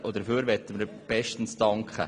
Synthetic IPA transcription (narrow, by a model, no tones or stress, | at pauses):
ʔod̪əfyːɾʋɛtəməɾb̥ɛʃtən̩stɑŋkχə̰